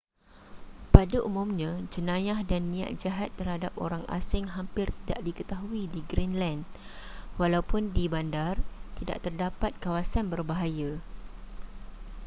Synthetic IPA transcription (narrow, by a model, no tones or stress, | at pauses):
padaʔumʊ̃mɲãd͡ʒənãjahdanːĩa̰ʔ̪̚d͡ʒaɦat̪ːərhadap̚o̰ɾaŋa̰sɪŋɦampɪrt̪ida̰ʔdikət̪aɦuidiɡɾinland | walawpʊndibandart̪ida̰ʔt̪ərdapat̪̚kawasanbərbaɦaja